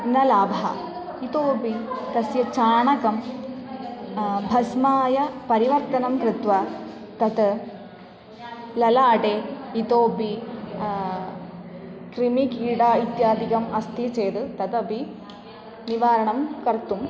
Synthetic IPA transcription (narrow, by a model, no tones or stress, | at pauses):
nɐlaːbʱɐɦɐ̰ | it̪oːbit̪ɐsjɐt͡ʃaːɳɐkɐm | bʱɐsmaːjɐpɐɾiʋɐɾt̪ɐnɐmkɾɨt̪ʋɐ | t̪ɐt̪ | lɐlaːʈeːit̪oːbʱi | kɾimikiːɖaːit̪jaːd̪ʱikɐmɐst̪ʰit͡ʃeːd̪ɨt̪ɐt̪ɐbʱi | niʋaːɾɐɳɐmkɐɾt̪um